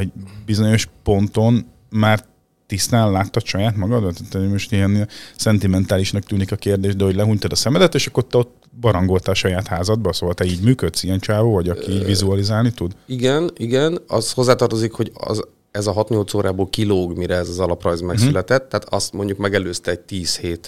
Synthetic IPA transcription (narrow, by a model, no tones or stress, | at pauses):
hoɟbizo̞ɲo̞ʃpo̞nt̪o̞n | maːr | t̪ist̪aːnlaːt̪ːɒt̪ʃɒjaːt̪mɒɡɒd̪bɛt̪at̪ːɛmo̞ʃt̪ijɛnsɛnt̪imɛnt̪aːliʃnɒkt̪yːnikɒkeːrd̪eːʒd̪ɛho̞ɟlɛɦuɲt̪ɒd̪ɒsɛmɛd̪ɛt̪eːʃɒkːort̪ːɛo̞t̪ː | bɒɾɒŋɡo̞lt̪alʃɒjaːt̪haːzɒd̪̚bɒsoːɦɒlt̪ɛiːɟmyːkøt̪sijɛnt͡ʃaːvoːvɒɟɒkiiːɟvizuɒlizaːlnit̪ud̪iɡɛniɡɛnɒzho̞zːaːt̪ɒrt̪o̞zikho̞ɟɒ̰z | ɛzɒɦɒt̪ɲo̞lt̪soːɾaːboːlkiloːɡmiɾɛɛzɒzɒlɒprɒjzmɛksylɛt̪ɛt̪ːɛaːt̪ɒst̪mo̞ɲɟukmɛɡɛløːst̪ɛɛɟ̚t̪iːsheːt̪